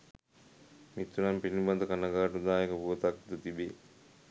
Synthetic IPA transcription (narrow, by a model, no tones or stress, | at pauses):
mit̪ːunampiniband̪əkanaɡaːʈud̪aːjekəpuʋət̪ak̚d̪ut̪ibe